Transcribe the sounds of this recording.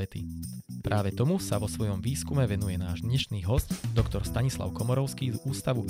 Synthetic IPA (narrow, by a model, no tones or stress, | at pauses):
ɛt̪ḭpɾʔaːʋɛt̪ɔmusaʋɔsʋɔjɔmʋiːskumɛʋɛnujɛnaːʒd̪ɲɛʃniːɦɔscd̪ɔkt̪ɔɾst̪aɲisla̰ʊkɔmɔɾɔʊskiːzuːst̪aʋu